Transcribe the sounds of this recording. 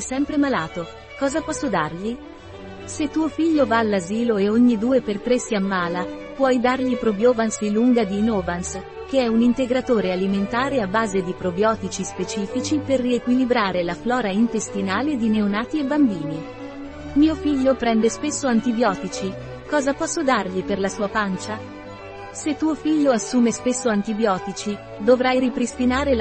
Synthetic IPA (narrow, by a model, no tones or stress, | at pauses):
ɛsɛmpɾemalaːt̪o | kɔːzapɔsːod̪arʎi | set̪ːuːofiʎːovaːlːaziːloeoɲːid̪uːepert̪ɾesːiamːaːla | pwɔjd̪arʎipɾobjoːvansiluŋɡad̪inoːvans | keɛunint̪eɡɾat̪oːɾealiment̪aːɾeabːaːzed̪ipɾobjɔːt̪it͡ʃispet͡ʃiːfit͡ʃiperːiekwilibɾaːɾelaflɔːɾaint̪est̪inaːled̪ineonaːt̪iebːambiːni | miːofiʎːopɾɛnd̪espesːoant̪ibjɔːt̪it͡ʃi | kɔːzapɔsːod̪arʎiperlasuːapant͡ʃa | set̪ːuːofiʎːoasːuːmespesːoant̪ibjɔːt̪it͡ʃi | d̪ovɾajɾipɾist̪inaːɾel